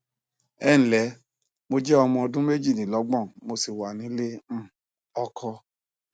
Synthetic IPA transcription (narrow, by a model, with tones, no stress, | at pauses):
ɛ˦˨ñ̩˨lɛ˨˦ | mo˧d͡ʒɛ˦ɔ˧mɔ̃˧ɔ˧dũ˦me˦d͡ʒi˦˨nĩ˨˦lɔ˨˦ɡ͡bɔ̃˦˨mo˧si˨wa˨nĩ˨˦lẽ˦˨ | ɔ˧kʰɔ˧